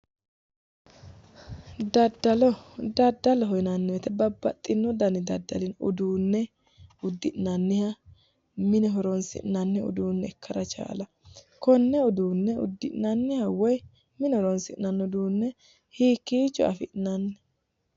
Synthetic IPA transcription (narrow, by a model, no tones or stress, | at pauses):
d̪ɐd̪ːɐlɔd̪ɐd̪ːɐlɔɦɔjnɐnːɛwɛt̪ɛbɐbːɐ̰t̪ʼːɪnːɔd̪ɐnɪd̪ɐd̪ːɐlɪnʊ̰d̪uːnːɛ | ʊd̪ːɪʔnɐnːɪhɐ | mɪnɛɦɔɾɔnsɪ̰ʔnɐnːɛʊ̰d̪uːnːɛɛkʰːɐɾɐt͡ʃa̰ːlɐ | kɔnːɛʊd̪uːnːɛʊ̰d̪ːɪʔnɐnːɪhɐwɔj | mɪnɛhɔɾɔnsɪʔnɐnːɛʊd̪uːnːɛ | hiːkːiːt͡ʃːɔ̰ɐ̰fɪʔnɐnːɛ